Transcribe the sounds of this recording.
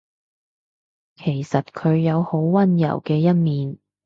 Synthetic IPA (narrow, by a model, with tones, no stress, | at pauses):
kʰe˨˩jsɐ˨t̚kʰɵ˨˧ɥjɐ˨˧who˨˥wwɐ˥njɐ̰˨˩wkɛː˧jɐ˥n̚miː˨n